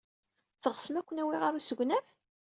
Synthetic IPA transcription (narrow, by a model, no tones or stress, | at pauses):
θəʁəsəmækʷːənæwiʁaɾusəɡʷnæf